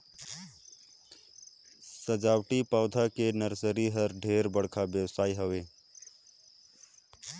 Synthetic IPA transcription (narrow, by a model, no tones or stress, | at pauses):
səd͡ʒaːwʈipaːd̪ʱakenəɾsəɾiɦəɾɖʱeːɾbəɽ̤kʰabjəwsaːiɦəʋeː